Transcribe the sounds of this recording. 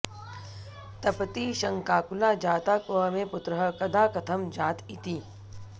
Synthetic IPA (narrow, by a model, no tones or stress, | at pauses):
t̪ɐpət̪iʃɐ̃ŋkaːkʊlaːd͡ʒaːt̪aːkmẽpʊt̪ɾəɦəkɐd̪aːkɐt̪ʰəmd͡ʒaːt̪ɪt̪iː